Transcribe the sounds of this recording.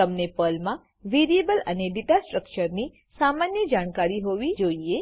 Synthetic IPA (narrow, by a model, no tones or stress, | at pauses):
əmnepəlmã | ʋeɾiebələ̰neɖiʈasʈɾək̚t͡ʃəɾni | samanjəd͡ʒaɽ̃kaɾiɦoʋid͡ʒoie